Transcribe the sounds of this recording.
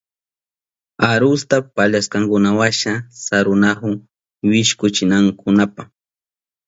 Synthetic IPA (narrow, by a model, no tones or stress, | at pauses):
aɾʊst̪apaʎaskaŋkʊnawaʃasaɾʊnahʊŋ | wɪʃkʊt͡ʃɪnaŋkʊnapa